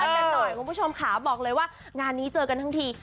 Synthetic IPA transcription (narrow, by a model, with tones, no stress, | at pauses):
ʔaː˧ka˧nːɔ˨˩jkʰu˧pʰu˥˩o˧mkʰa˦˩bɔː˨˩k̚lɤː˧jwaː˥˩ | ŋaː˧nːiː˦˥t͡ɕɤː˧ka˧nt̪ʰa˥ŋt̪ʰiː˧